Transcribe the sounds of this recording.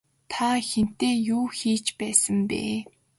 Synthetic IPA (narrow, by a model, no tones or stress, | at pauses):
t̪ʰaxen̥t̪eːjuːxiːt͡ɕpæːsə̆mpḛː